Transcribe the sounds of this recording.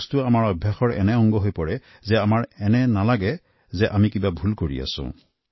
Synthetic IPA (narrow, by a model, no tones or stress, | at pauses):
stʊamaɹɔbʱjaxɔɹɛ̰nɛɔŋɡɔɦojpɔɹɛ | zɛamaɹɛnɛnalaɡɛ | zɛʔamikibabʱulkoɹḭa̰sʊ̰̃